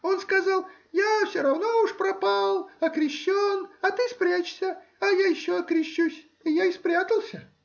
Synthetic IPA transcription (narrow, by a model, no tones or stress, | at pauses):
o̞nskɐzɑlˠ | jafsʲoɾɐvno̞uʂpɾɐpalˠɐkɾʲɪɕːonɐt̪ɨspɾʲat͡ɕsʲə | ɐjajɪɕːoɐkɾʲɪɕːusʲ | ɪjaɪspɾʲat̪əlˠsʲə